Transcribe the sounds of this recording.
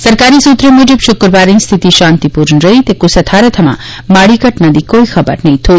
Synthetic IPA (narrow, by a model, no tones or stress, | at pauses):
səɾkaɾisut̪ɾəmud͡ʒəbʃʊkɾʋaɾinst̪ʰit̪iʃãnt̪ipuɾnɾəɦit̪ekusɐt̪ʰaɾət̪ʰəmã̰ | maɽikəʈnad̪ikoixʰɐbə̰ɾnɐɦĩt̪ʰo